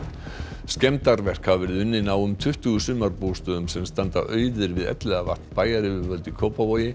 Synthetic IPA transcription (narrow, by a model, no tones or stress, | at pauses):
scɛmt̪aɾvɛr̥khavɛɾɪðʏnːɪnaːwʏmt̪ʰʏht̪ʏɣʏsʏmaɾpoːst̪œːðʏmsɛmst̪ant̪a̰ʔœːɥðʏɾvɪðɛ̰t̪lɛɣavart̪npaːjaɾɪvʏvœlt̪ɪkʰowpavoːjɪ